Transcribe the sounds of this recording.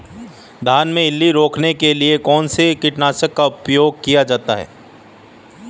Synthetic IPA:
d̪ʱaːnmẽɪlːiɾoːkʰnekeliekɔːnsekɪʈnaːsəkːaʊpjoːɡ̚kijad͡ʒaːt̪a̰ɦɛ̰ː

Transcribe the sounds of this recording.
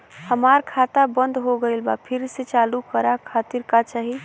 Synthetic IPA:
həmaɾkʰat̪abənd̪ʱɦoɡəjlbapʰiɾset͡ʃalukəɾakʰat̪iɾkat͡ʃaɦi

